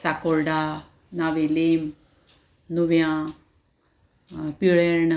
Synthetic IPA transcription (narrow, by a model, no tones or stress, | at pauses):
sakoɾɖa | naʋelem | nuʋjã | piɭeɾɳ